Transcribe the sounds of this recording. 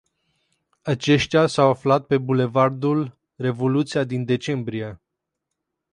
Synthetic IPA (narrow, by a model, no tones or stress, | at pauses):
at͡ʃe̞ʃt̪ʲjasawaflat̪̚pe̞bule̞vard̪ul | re̞vo̞lut̪sijad̪ind̪e̞t͡ʃe̞mbɾije̞